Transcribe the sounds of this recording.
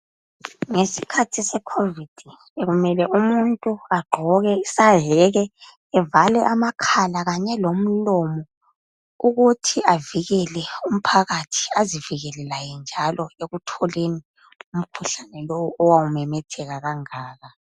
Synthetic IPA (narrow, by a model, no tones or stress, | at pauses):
ŋesi̥kʰatʰisɛkʰovid̥ʱi | eɣumɛlɛʔumuntʼuaɡ͡ǃʱɔɣɛisaɦɛɣɛː | valɛʔamakʰalaɣaɲɛlom̩lɔmɔ | uɣutʰiaviɣɛlɛum̩pʰaɣatʰi̥aziviɣɛlɛlajɛnd͡ʒʱalɔeɣutʰɔleni | um̩kʰuɬanɛlowuʔɔwawumɛmɛtʰɛɣaɣaŋaːɣa